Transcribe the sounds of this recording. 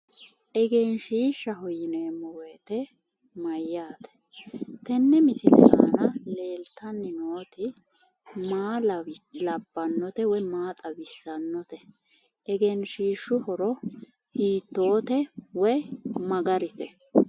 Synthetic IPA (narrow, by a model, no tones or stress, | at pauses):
ʔɛɡɛnʃiːʃːɐhɔjɪneːmɔweːt̪ɛ | mɐjːaːt̪ɛ̥ | t̪ɛnːɛmɪsɪlɛ̰ʔa̰ːnɐle̞ːlt̪ʰɐnːɪnoːt̪ɪ | maːllɐbːɐnːɔt̪ɛwɔjmaːt̪ʼɐbɪsːɐnːɔt̪ɛ | ʔɛɡɛnʃiːʃʊhɔɾɔ | hiːt̪ːo̞ːt̪ɛwɛmɐɡɐɾɪt̪ɛ